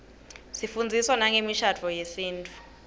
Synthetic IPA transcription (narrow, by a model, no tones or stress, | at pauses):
sifund͡zʱiswanaŋemiʃad͡vʰʱɔjesiːntʼu̥